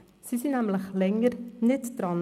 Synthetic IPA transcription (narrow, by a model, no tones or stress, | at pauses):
sisinæmləχlɛŋəɾnɪtd̥ɾɑn